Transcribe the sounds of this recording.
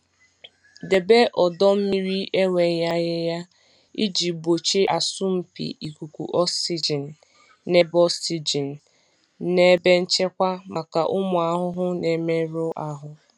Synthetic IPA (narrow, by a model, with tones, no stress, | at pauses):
de˨be˦ʔɔ˨dɔ˦m̩˦mi˦ɾi˦ʔe˦ŋʷe˨˦ja˦ɣɪ˦ja˦ | i˦d͡ʒi˨bo˨t͡ʃe˦ʔa˨sʊ˦m̩˨pḭ˨i˨ku˨kʷṵ˨ʔɔ˦si˦d͡ʒi˨n̩˨ | ne˦bɔ˦si˨d͡ʒi˨n̩˨ | ne˦be˦n̩˦t͡ʃe˦kʷa˦ma˨ka˨ʔʊ˦mʊ˨a˨˦ɦʊ˦ɦʊ˦ne˨me˦ɾʊ˦ʔa˦ɦʊ˦